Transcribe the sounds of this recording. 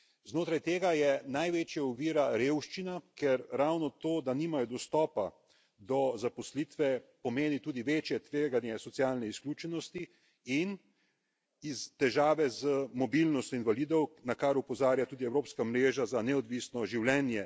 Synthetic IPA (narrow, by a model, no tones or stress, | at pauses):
znoːt̪ɾajt̪eːɡajɛnajʋet͡ʃjaɔʋiːɾaɾewʃt͡ʃinakɛɾːawnɔt̪oːd̪aniːmajɔd̪ɔst̪ɔːpa | d̪ɔzapɔslit̪ʋɛpɔmeːnit̪uːd̪iʋeːt͡ʃjɛt̪ʋeːɡanjɛsɔtsjaːlnɛiskluːt͡ʃɛnɔst̪i | in | izt̪ɛʒaːʋɛzəmɔbilnɔst̪jɔinvalid̪ɔwnakaɾupɔzaːɾjat̪uːd̪iɛwɾoːpskamɾeːʒazanɛɔd̪ʋiːsnɔʒiwlɛnjɛ